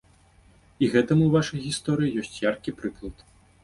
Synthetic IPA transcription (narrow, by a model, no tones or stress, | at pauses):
iɣɛt̪ɐmuwvaʂɐjɣʲist̪ɔɾɨjijɔsʲt͡sʲjarkʲipɾɨklˠɐt̪